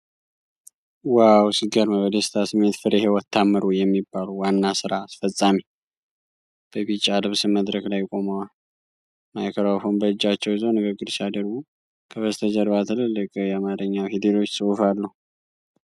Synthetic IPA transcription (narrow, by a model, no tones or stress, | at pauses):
wawsɨɡəɾməβəd̪əst̪ʰasɨmːe̞t̪fɨɾihe̞wɔt̪ʰːamːɨɾujɛmːibːaluwanːasɨɾaːsfəsʼːami | b̥əβit͡ʃʼːalɨβsɨməd̪ɾəklajkʼo̞mawal | majkʰəɾawfonbəɨd͡ʒːat͡ʃːɛwɪzəwnɨɡɨɡːɨɾsiad̪əɾɡu | kʰəβəst̪ʰəd͡ʒəɾβat̪ʰɨlɨlːɨkʼjɛamaɾəɲːahid̪elo̞t͡ʃːsʼɨufalːəhu